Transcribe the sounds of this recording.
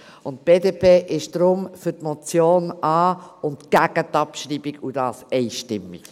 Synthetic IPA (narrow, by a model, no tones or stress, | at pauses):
ʊntb̥eːdeːpʰeːʔɪʃd̥ɾʊmfʏtmɔt͡sjoːnɑːʊntɡ̥æɡ̥ət̪ɑpʃɾiːbiɡud̥ɑːsɛɪʃtɪmːḭk